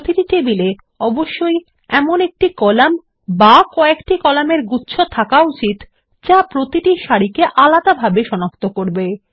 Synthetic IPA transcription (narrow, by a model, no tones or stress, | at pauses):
t̪iʈit̪ebile | ɔboʃːoj | ɛmonek̚ʈikɔlam | bakɔekʈikɔlameɾɡutːɕʰot̪ʰakaut͡ɕit̪ | t͡ɕapɾot̪iʈiʃaɽikeʔalad̪abʱabeʃɔnokt̪okoɾbe